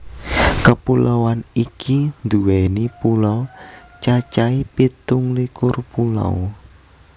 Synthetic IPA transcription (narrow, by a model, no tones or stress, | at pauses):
kəpulʔawanikʰind̪uwɛnipulɔ | t͡ʃat͡ʃaipit̪ʊŋlikʊrpula̰w